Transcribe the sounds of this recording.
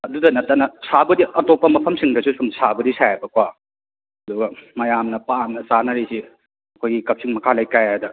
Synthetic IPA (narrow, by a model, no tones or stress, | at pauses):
ɐdudɐnɐtːɐnɐsabɐdiʔɐtopːɐmɐpʰɐmsiŋdɐsusumsabɐdisajabɐkwa | ɐduɡɐmɐjamnɐpamnɐsanɐɾisi | ɐkʰojɡikɐp̚siŋmɐkʰalajkajajdɐ